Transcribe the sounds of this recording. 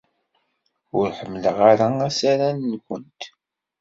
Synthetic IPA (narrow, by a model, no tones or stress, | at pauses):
ʊɾħəmːləʁaɾaæsaɾænːkʷənt̪